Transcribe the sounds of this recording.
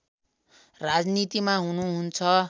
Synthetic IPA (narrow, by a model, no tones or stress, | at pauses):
rad͡znit̪imaɦunuɦunt͡sʰʌ